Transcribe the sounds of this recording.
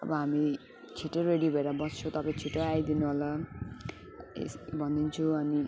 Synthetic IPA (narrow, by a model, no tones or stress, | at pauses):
ʌ̰bʌɦami | t͡sʰiʈoɾeɽibʱʌeɾabʌst͡sʰot̪ʌpaĩt͡sʰiʈoajd̪inuɦolʌ | ḛsbʱʌnd̪int͡sʰuʌni